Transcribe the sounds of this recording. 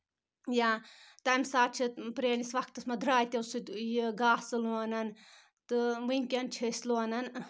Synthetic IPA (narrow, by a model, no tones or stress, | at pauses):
jat̪ɐmʲsaːt͡ʃʰit̪pɾeːnisʋɐk̚t̪ɨsmɐd̪ʱɾaːjt̪ʲɐwsɨt̪ʲjiɡaːsɨluɐnɐn | t̪ɨʋɨŋʲkʲɐnt͡ʃʰisʲlonɐn